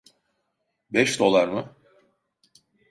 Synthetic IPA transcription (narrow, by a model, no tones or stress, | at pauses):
bɛʃd̪o̞lˠaɾmɯ